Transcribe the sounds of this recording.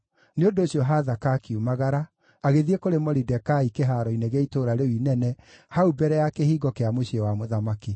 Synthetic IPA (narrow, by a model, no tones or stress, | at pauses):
neondoːɕjɔɦaːðakakiumaɣaɾa | aɣeðiekoɾemɔɾidɛkaikeɦaːɾɔineɣeitoːɾaɾewinɛnɛhaubɛɾɛjakehiːɡɔkeamoɕewamoðamaki